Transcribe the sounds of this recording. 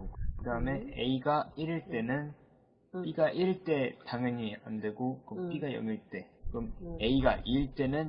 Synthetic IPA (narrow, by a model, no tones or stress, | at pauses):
kɯdaɯme̞eiɡaiɾɯɭt͈e̞nɯn | p͈iɡaʔiɾɯɭt͈e̞taŋjʌɲia̰nde̞ɡokɯp͈iɡajʌ̰ŋiɭt͈e̞kɯɾʌme̞iɡaʔiɭt͈e̞nɯn